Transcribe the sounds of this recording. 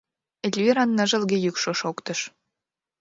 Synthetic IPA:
elʲviɾɑnːə̆ʒə̆lɣĕjykʃoʃokt̪əʃ

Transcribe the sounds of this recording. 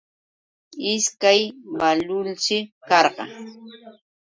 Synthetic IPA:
ɪskajwalʊlt͡ʃɪkɑɾɢɑ̰

